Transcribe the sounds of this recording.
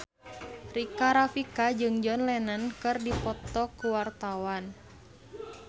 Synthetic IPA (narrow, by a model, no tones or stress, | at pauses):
rikaɾafikad͡ʒɨŋd͡ʒɔnlɛnənkɨrdipɔt̪ɔkuwart̪awan